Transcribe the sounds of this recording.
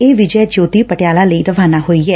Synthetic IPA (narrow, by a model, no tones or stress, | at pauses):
eːʋɪd͡ʒɛːd͡ʒoːt̪iːpəʈɪjaːlaːləiːɾəʋaːnaːɦoːiːɛː